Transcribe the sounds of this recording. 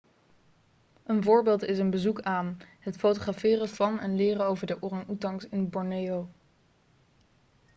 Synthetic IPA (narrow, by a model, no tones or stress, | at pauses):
ʔənvʊːɹbɪːlˠtɪsənbəzukaːnɦətfowtoχrafɪːrəv̥ɑnɛnlɪːrəowvəɹdəʔʊrɑnutɑŋsɪnbɔɹnejow